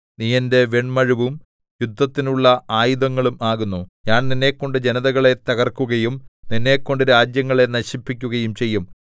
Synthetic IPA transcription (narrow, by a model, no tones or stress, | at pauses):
nijɐnde̞ʋeɳmɐɻuʋum | jud̪ʱːɐt̪ːinuɭːɐʔaːjuðɐŋːɐɭumaːɣunːuɲaːɳninːe̞ːkːo̞ɳɖɨd͡ʑe̞nɐðɐɣɐɭe̞t̪ɐɣɐrkuɣɐjumninːe̞ːkːo̞ɳɖɨɾaːd͡ʑjɐŋːɐɭe̞nɐɕipːikʲːuɣɐjumt͡ɕe̞jːum